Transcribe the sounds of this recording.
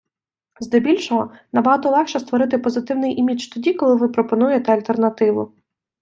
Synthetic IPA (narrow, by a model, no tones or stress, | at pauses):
zd̪ebʲilʲʃɔɦɔnɐbɐɦɑt̪ɔlˠɛxt͡ʃɛst̪ʋɔɾɪt̪ɪpɔzɪt̪ɪwnɪjʔimʲit͡ʃt̪ɔdʲikɔlˠɪʋɪpɾɔpɔnujet̪ɛɐlʲt̪ernɐt̪ɪʋʊ̰